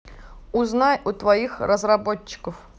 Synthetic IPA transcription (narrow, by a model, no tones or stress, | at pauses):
ʊznajʊt̪vɐixrəzrɐbot͡ɕːɪ̥kəf